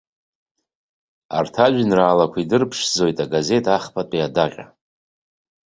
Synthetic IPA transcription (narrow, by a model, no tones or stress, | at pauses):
a̰rtʰaʒᶣinraːlakʷʰidɨrpʰʂzo̞jtʼaɡaze̞tʼaχpʰatʷʼiadaqʲʼa̰